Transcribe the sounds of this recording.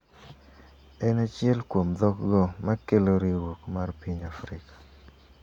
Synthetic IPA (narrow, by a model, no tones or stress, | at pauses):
ɛnat͡ʃjɛlkwomd̪ɔkɡɔmakeloɾiɾwokmarpiɲafɾɪkḁ